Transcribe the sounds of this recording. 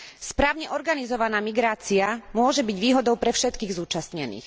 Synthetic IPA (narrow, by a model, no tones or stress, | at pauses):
spɾaːʊɲɛʔɔɾɡanizɔʋanaːmiɡɾaːt͡siamʊɔʒɛbiɟʋiːɦɔd̪ɔʊpɾɛfʃɛt̪kiːɣzuːt͡ʃast̪ɲɛnḭːx